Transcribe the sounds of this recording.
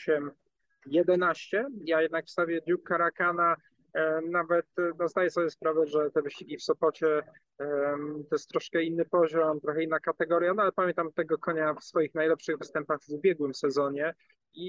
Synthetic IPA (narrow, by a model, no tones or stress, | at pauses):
ɕɛm | jɛd̪ɛnaɕt͡ɕɛjajɛd̪nakfst̪avʲjɛd̪ukːaɾakana | navɛt̪nɔzd̪ajɛsɔbjɛspɾavɛʐɛt̪ɛvɘɕt͡ɕiɡʲifsɔpɔt͡ɕɛ | t̪ɔjɛst̪ːɾɔʂkɛinːɘpɔʑɔmt̪ɾɔxɛinːakat̪ɛɡɔɾʲjanɔalɛpamjɛnt̪amt̪ɛɡɔkɔɲafsfɔjixnajlɛpʂɘɣvɘst̪ɛmpaɣvubʲjɛɡwɘmsɛzɔɲɛ | i